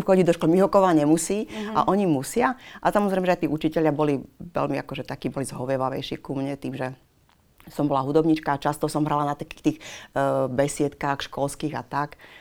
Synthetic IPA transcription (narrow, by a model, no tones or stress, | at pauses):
xɔɟiɟd̪ɔʃkɔlmiɦɔkɔʋaːɲɛmusiːa̰ʔɔɲimusɪaʔasamɔzɾɛɪmɛʒɛaɪt̪iːʔut͡ʃicɛʎɪabɔliʋɛ̰ʎmia̰kɔʒɛt̪akiːbɔlizɦɔʋɪɛʋaʋɛ̰jʃḭːkumɲɛt̪iːmʒɛ | sɔmbɔlaɦud̪ɔbɲit͡ʃkaːt͡ʃast̪ɔsɔmɦɾalanat̪akiːxt̪iːx | bɛsɪɛt̪kaːxʃkɔlskiːɣa̰t̪ak